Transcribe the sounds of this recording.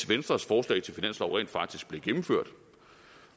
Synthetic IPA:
ʋensd̥ʁɐsfɒːslɛ̰ɪt͡sʰe̝lfinæn̰slɒʊʁɛ̰ːnd̥fɑ̈ɡ̥̚d̥isɡ̥̚b̥le̝ɡ̥em̩føɐ̰d̥

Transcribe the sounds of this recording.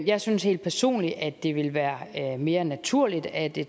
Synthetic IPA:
jɑ̈ɪsynshe̝̰ːld̥̚pʰæɐso̝̰ːnliʔæd̥e̝ʋe̝lʋæːɐme̝ːɐnæt͡sʰuɐ̰lid̥æd̥e

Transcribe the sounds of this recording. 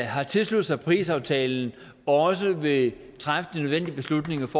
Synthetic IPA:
ɦɑ̈t͡sʰe̝lsluð̩ˠsɑ̈ɪpʰʁḭːsɑ̈ʊt͡sʰɛːln̩ | ɒ̽s̬əʋe̝ | t͡sʰʁafd̥ə̥d̥inøð̞ˠʋen̰d̥iəb̥e̝slud̥ne̝ŋɐfɒ

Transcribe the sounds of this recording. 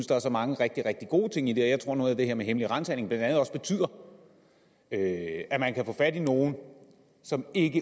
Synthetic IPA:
nsd̥ɑ̈æɐsɒ̽mɑ̈ŋəʁeɡ̥̚d̥iʁɛɡ̥̚d̥iɡ̥o̝̰ːt͡sʰe̝ŋ̰id̥e̝ɒjɑɪt͡sʰo̝ɐ̰no̽ːð̩ˠæd̥e̝heɐ̰meɦeməliʁɑ̈nt͡sʰæneŋb̥lænd̥ænð̩ˠɒ̽sb̥e̝t͡sʰy̰ð̰ˠɐ | øæmænkʰæfɔ̰̽ːfæd̥ino̝ːn̩ | sɒ̽me̝ɡ̥ə

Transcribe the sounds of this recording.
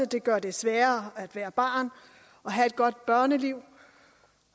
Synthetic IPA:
əd̥e̝ɡ̥ɶɐ̰d̥e̝sʋæːɐæd̥ʋæːɐb̥ɑ̈ːn | ɒ̽ɦæe̝d̥̚ɡ̥ɒ̽d̥̚b̥ɶɐnəliʊ̰

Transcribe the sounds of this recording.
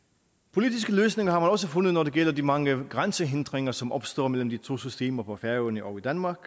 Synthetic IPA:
pʰo̝lidisɡ̥əløːsne̝ŋɐhɑ̈mænɒ̽s̬əfo̽nðˠnɒd̥e̝ɡ̥el̰ɐdimɑ̈ŋəɡ̥ʁansəɦend̥ʁeŋɐsɒ̽mʔɒ̽b̥sd̥ɒ̰ːmel̰m̩d̥it͡sʰo̝̰ːsysd̥e̝̰ːmɐpʰɒfæɐənəʔɒʊid̥ænmɑ̈ːɡ̥

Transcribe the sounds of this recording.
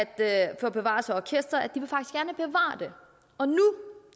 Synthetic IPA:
æd̥fɒːb̥e̝ʋɑ̰̈ːsɒɒkʰesd̥ʁɐæd̥iʋe̝fɑɡ̥i̥sɡ̥æɐnəb̥e̝ʋɑ̰̈ːd̥e̝ | ɒ̽nu

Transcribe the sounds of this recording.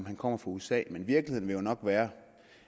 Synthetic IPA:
mɦænkʰɒ̽m̰ɐfʁɑ̈uesɛ̰ːmenʋiɐɡ̥liheðˠn̩ʋe̝jo̝nɒ̽ɡ̥ʋæːɐ

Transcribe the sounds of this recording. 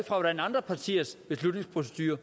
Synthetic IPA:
fʁɑ̈ʋɒɾ̥ænɑ̈nd̥ʁɐpʰɑt͡sʰḭːɐsb̥e̝slud̥ne̝ŋspʰʁo̝s̬e̥d̥yːɐ

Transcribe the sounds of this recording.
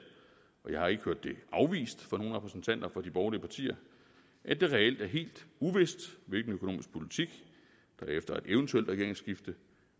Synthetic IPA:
ʔɒ̽jɑ̈ɪhɑ̈e̝ɡ̥əhøɐd̥ːe̝ʔɑ̈ʊʋḭːsd̥fɒ̽no̝ːn̩ʁɛpʰʁɛsn̩t͡sʰæn̰d̥ɐfɒ̽d̥ib̥ɒʊliəpʰɑ̈t͡sʰḭːɐ | ʔæd̥e̝ʁɛel̰d̥æɐɦe̝̰ːld̥uʋe̝sd̥ʋe̝lɡ̥n̩økʰo̝no̝ːmisɡ̥̚pʰo̝lit͡sʰiɡ̥ | d̥ɑefd̥ɐe̝d̥eʊənt͡sʰueld̥ʁɛɡ̥̰ɐeŋsɡ̥ifd̥ə

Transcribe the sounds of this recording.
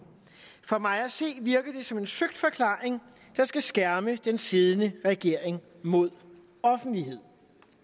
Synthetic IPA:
fɒ̽mɑ̈ɪæse̝̰ːʋiɐɡ̥ɐd̥e̝sɒ̽me̝nsøɡ̥̚d̥fɒ̽kʰlɑ̰̈ːeŋ | d̥ɑ̈sɡ̥æsɡ̥æɐməd̥ensið̞ˠənəʁɛɡ̥e̝ɐ̰eŋ | mo̝ð̞̰ˠ | ɒ̽fn̩dliɦe̝ð̞̰ˠ

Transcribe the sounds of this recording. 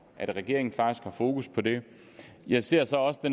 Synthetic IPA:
ʔæɾ̥ʁɛɡ̥e̝ɐ̰eŋn̩fɑ̈ɡ̥isɡ̥hɑ̈fo̝ːkʰuspʰɒ̽d̥e̝ | jɑ̈ɪse̝ɐ̰sɒ̽ɒ̽səd̥en

